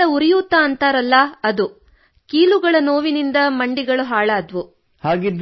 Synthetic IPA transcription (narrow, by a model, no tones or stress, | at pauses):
ɐuɾijut̪ːaːnt̪aːɾɐlːɐɐd̪u | kiːluɡɐɭɐno̞ːʋinind̪ɐmɐɳɖiɡɐɭuɦaːɭaːd̪ʋu | haːɡid̪